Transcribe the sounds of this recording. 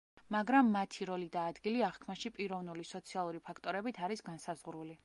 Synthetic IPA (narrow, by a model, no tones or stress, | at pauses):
maɡɾamːat̪ʰiɾɔlid̪aːd̪ɡiliaʁkʰmaʃipʼiɾɔvnulisɔt̪sʰialˠuɾipʰakʰt̪ʼɔɾɛbit̪ʰaɾisɡansazʁɾuli